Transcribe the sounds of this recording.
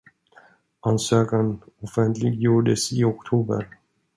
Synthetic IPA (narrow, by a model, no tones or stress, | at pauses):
ansøːkan | ɔfɛnt̪ʰlɪɡjuːɖəsɪɔkt̪ʰuːbə̰ɾ